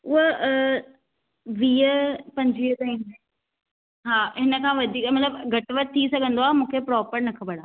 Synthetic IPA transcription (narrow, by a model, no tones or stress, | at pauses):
ʊɦo | ʋiːəpɐ̃ɲd͡ʑʋiːət̪ɐĩne | ɦaːɦɪnə̆kʰãːʋɐd̪ʱiːkmɐt̪ləbɡʱɐʈʋəɾ̚t̪ʰːisɐɡʱə̃nd̪oaːɦmũːkʰepɾɔːpəɾnɐkʰɐbəɽ̤aː